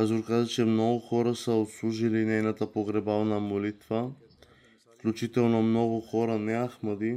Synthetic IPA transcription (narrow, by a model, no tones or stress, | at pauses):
azuɾkad̪ɛt͡ʃɛmnɔɡuxɔɾasɛot̪slˠuʒilinɛjnat̪apoɡɾɛbavnamolit̪va | fklʲut͡ʃit̪ɛlˠnomnɔɡuxɔɾanɛaxmad̪i